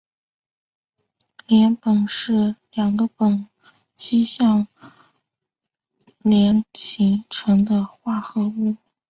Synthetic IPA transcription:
ljɛ˧˥npə˨˩nʂɻ̩˥˩ljɑ˨˩ŋɡə˦pə˨˩ŋ | t͡ɕi˥ɕjɑ˥˩ŋ | ljɛ˧˥nɕʰi˧˥ŋʈ͡ʂʰɤ˧˥ŋd̪ə˧xwa˥˩xɤ˧˥u˥˩

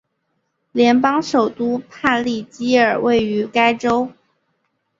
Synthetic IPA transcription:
ljɛ˧˥npɑ˥ŋʂo˨˩ʊt̪u˥pʰa˥˧nli˥˩t͡ɕi˥ə˞˨˩we˥˩ɪy˧˥ka˥ɪʈ͡ʂo˥ʊ

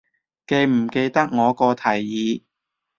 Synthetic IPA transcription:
ke˧jm̩˨˩ke˧jt̪ɐ˥k̚ŋɔː˨˧kɔː˧t̪ʰɐ˨˩jːiː˨˧˥

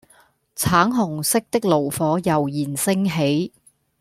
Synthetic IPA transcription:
t͡sʰaː˨˥ŋɦʊ˨˩ŋsɪ˥k̚t̪ɪ˥k̚lo˨˩wfɔː˨˥jɐ˨˩wjiː˨˩nsɪ˥ŋɦe˨˥j

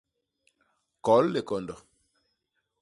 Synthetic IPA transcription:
kɔ˨˦lle˨kɔ˨ndɔ˨

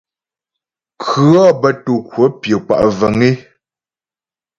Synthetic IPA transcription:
kʰɰʉ˨˦ɔ˦bə˦tu˨kwə˨˦pjə˨k͡pa̰˨ʔvə˨ŋi˦

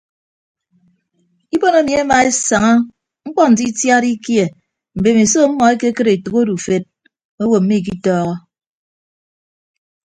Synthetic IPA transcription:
i˦po˦no˦mi˨e˦ma˨e˦sa˨ŋa˦ | ŋ̩˦k͡pɔ˦n̩˨ti˦tja˦ɾi˦kje˨ | m̩˨be˨me˨so˦m̩˦mɔ˨e˦ke˦kɨ˦ɾe˨tu˨ko˦du˨fe˦t̚ | o˦wo˨m̩˦mi˦˨k̬i˦tɔː˦ɣɔ˦

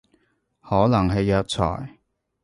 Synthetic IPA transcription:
hɔː˨˥nɐ˨˩ŋɦɐ˨˧jœː˨˧k̚t͡sʰɔ̰ː˨˩j

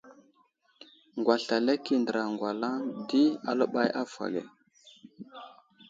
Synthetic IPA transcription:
ŋɡwa˨ɬa˨le˦ki˦˨ndə˨ɾa˨ŋɡwa˨la˦ŋdi˦a̰˨lə˦ɓa˦jʔa˦fa̰˨ɡḛ˨

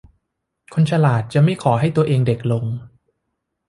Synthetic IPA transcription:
kʰo˧nt͡ɕʰa˧laː˨˩t̪̚t͡ɕa˨˩ma˥˩jkʰɔː˩˦ɦa˥˩jt̪u˧ɐʔeː˧ŋde˨˩k̚lo˧ŋ

